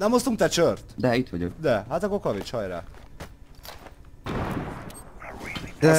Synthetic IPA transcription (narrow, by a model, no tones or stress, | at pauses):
nɛmost̪uŋk̚t̪ɛt͡ʃørt̪d̪ɛit̪ʋɒɟo̰kd̪ɛɦat̪ɒkokɒvit͡ʃhɒjɾa̰ːk | d̪ɛ